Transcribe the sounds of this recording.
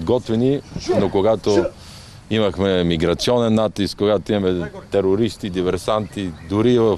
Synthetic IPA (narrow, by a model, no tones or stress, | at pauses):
d̪ɡɔt̪vɛninokoɡat̪o | imɐxmɛmiɡɾɐt̪siɔnɛnːat̪ːiskkoɡat̪oimɐmɛt̪ɛɾoɾist̪id̪ivɛɾsant̪id̪ʊɾivɐ